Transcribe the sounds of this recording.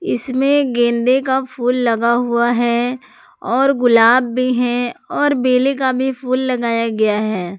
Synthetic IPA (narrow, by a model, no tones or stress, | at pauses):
ɪsmẽɡẽːnd̪ekapʰuːlːɐɡaɦʊaɦɛ | ɔːɾɡʊlaːbːʱiɦɛɔːɾbeːlekabʱipʰuːlːɐɡaːjaɡɐjaɦɛː